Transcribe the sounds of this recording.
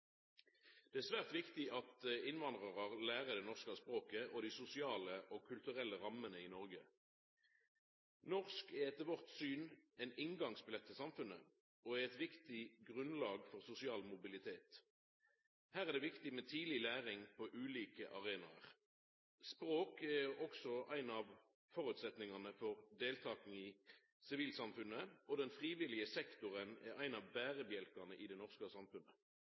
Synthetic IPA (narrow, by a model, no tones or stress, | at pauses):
d̪̥ɛæːsʋæːʁt̪ʋɪkt̪ɪɑt̪ɪnʋɑnd̪ʁəʁəʁlæːʁəd̪ɛnɔʁskəɑspʁoːkəʔɔd̪iːsʊsɪɑːləʔɔkʰʉlt̪ʉʁɛlːəʁɑmənəiːnɔʁɡə | nɔʁskɛɛt̪əʋɔʁt̪syːnɛnɪŋɡɑŋsbɪlɛt̪ʰːəsɑmfʉnə | ɔæʁɛt̪ʋɪkt̪ɪɡʁʉnlɑːɡfɔʁsʊsɪɑːlmʊbɪlɪt̪ʰeːt̪ | hæːʁæʁd̪ɛːʋɪkt̪ɪmɛt̪ʰiːlɪlæːʁɪŋpʰɔʔʉːliːkəʔɑʁeːnɑ̰ʁ | spʁoːkɛʁɔksɔʔæɪnɑʋ | fɔʁʉːt̪sɛt̪nɪŋɑnəfɔʁd̪eːlt̪ʰɑːkn̩ɪ | sɪʋiːlsɑmfʉnəɔd̪ɛnfʁiːʋɪlɪəsɛkt̪ʊʁənɛʁæɪnɑʋbæːʁəbjɛlkɑʁnəʔɪd̪ɛnɔʁskəsɑmfʉnːə